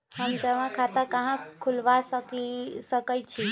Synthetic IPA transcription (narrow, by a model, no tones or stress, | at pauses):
həmd͡ʒəʋãkʰat̪akaɦãkʰulʋasəkisəkət͡ʃʰi